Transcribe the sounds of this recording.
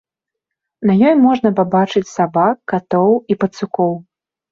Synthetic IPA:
nɐjɔjmɔʐnɐpabat͡ʂɨt͡sʲsabakːat̪ɔwipɐt̪sukɔw

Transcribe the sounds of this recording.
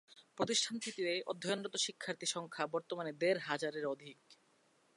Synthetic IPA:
pɾot̪iʃʈʰant̪ʰit̪iɾeʔo̰d̪ʱːojonɾot̪oʃikʰːaɾt̪iʃɔŋkʰabɔɾt̪omaned̪eɾɦad͡ʑaɾeɾod̪ʱik

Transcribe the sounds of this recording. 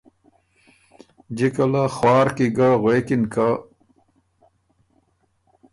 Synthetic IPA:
d͡ʑikɐlaxwaːɾkiɡaʁwekinka

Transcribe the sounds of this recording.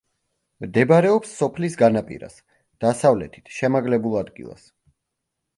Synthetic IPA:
md̪ɛbaɾɛɔpsːɔpʰlisɡanapʼḭɾa̰s | d̪̥asavlɛ̰t̪ʰi̥t̪ʰʃɛmaɡlɛbulˠad̪ɡḭlˠa̰s

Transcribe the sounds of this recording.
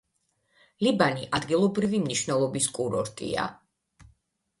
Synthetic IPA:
libaniʔad̪ɡilˠɔbɾivimniʃvnɛlˠɔbiskʼuɾɔɾt̪ʼḭa̰

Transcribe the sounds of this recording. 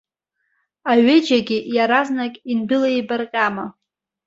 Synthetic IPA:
aɥed͡ʒaɡʲɪjaɾaznakʼinbɪlaibarqʲʼama

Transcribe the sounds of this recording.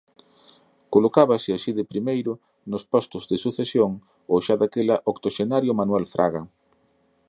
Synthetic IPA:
kolokaβɐsɪaʃiðɪpɾimejɾʊ | nʊspɔst̪ʊzðɪsuθesjoŋ | oʃaðakelɐʔokt̪oʃenaɾjʊmanuɛlfɾʔa̰ɣɐ

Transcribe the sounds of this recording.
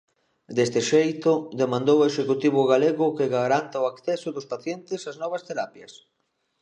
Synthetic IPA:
d̪est̪ɪʃejt̪ʊd̪emãnd̪oweʃekut̪iβ̞ʊɣaleɣʊkɪɣaɾant̪aʊakθɛsʊðʊspaθjent̪ɪsaznɔβ̞ɐst̪eɾapjɐs

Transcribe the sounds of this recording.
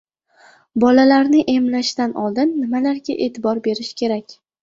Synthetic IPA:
bɒlalaɾnɪʔe̞mlaʃt̪anʔɒlˠd̪ɪnːɪmalaɾɡʲaʔe̞t̪ʰɪbɒɾbe̞ɾɪʃkʲʰe̞ɾakʲ

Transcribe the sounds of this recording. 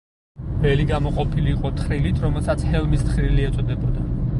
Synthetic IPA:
b̥ɛliɡamɔqʼɔpʰiliːqʼɔt̪ʰχɾilit̪ʰɾɔmɛlˠsat̪sʰhɛlˠmist̪χɾiliɛt̪sʼɔd̪ɛbɔd̪a

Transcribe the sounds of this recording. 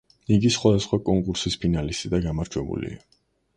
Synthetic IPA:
iɡisχwad̪asχwakʼɔŋkʼuɾsispʰinalist̪ʼid̪aɡamaɾd͡ʒwɛbṵlḭa̰

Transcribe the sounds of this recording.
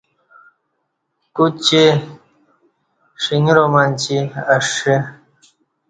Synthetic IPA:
kut͡ɕe | ʂiŋiɾomant͡ɕiaʂe

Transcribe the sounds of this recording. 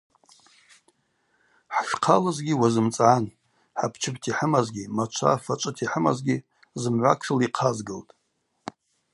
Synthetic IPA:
ħʃqʰalɨzɡʲiwazɨmt͡sʼʕani | ħapʰt͡ʃʰɨbtʰiħəmazɡʲimat͡ʃʷʰa̰fat͡ʃʷʼɨtʰiħəma̰zɡʲi | zɨmʕʷakʰʂɨliqʰazɡɨltʼ

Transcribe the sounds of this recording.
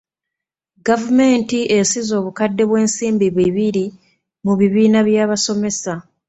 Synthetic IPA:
ɡavume̞ːntiesizo̞ːβukadːe̞βwe̞ːnsiːmbiβwiβiɾi | muβiβiːnaβjaːβaso̞me̞sa

